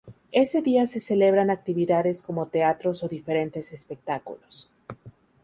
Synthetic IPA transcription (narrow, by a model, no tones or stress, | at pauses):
e̞se̞ðiase̞se̞le̞β̞ɾanak̚t̪iβiðaðe̞sko̞mo̞t̪e̞at̪ɾo̞so̞ðife̞ɾe̞nt̪e̞se̞spe̞k̚t̪akṵlo̞s